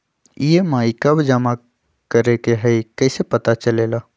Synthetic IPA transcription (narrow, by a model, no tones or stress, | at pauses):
jemaːikəbʱd͡ʒəma | kəɾekeɦɛikəɪsepət̪at͡ʃəlela